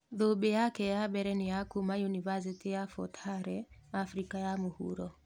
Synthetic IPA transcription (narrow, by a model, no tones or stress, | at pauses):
ðoɓɛjakɛjaɓɛɾɛnijakumajunivasitijafɔ̰tʰaɾɛafɾikajamuhṵɾɔ